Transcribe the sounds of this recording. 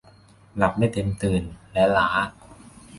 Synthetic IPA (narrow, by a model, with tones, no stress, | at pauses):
la˨˩p̚daː˥˩jt̪e˧mt̪ɯː˨˩nlɛ˦˥laː˩˦˥